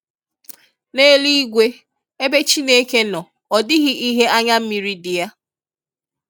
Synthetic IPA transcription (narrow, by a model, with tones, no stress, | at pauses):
ne˦li˦ɡʷe˦ | e˦be˦t͡ʃi˦ne˦ke˦nɔ˨ | ɔ˨dɪ˦ɣɪ˦ʔi˦ɦe˦a˦ɲa˦m̩˦mi˨ɾi˦dɪ˨ja˦